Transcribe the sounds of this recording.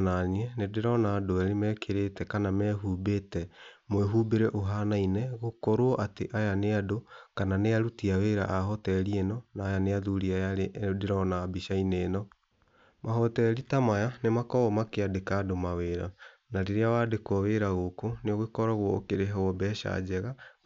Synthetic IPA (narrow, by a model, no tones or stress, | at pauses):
naɲiɛnedeɾɔnaːdoɛɾemɛkʰeɾetɛkanamɛɦubetɛmwɛɦubeɾɛʔoɦanainɛɣokɔɾoɔʔateʔajaneadokananeaɾutiaweɾa̰ʔaɦɔtɛɾiɛnɔnaːjaneaðuɾiajadeɾɔnaːbiʃaineːnɔ | mʔaɦɔtɛɾitamajanemakɔɣɔmakeadekadomaweɾa | naɾeɾeawadekwɔweɾaɣokoneoɣekɔɾɔɣwɔokeɾeɦɛwɔbɛʃa̰d͡ʑɛɣa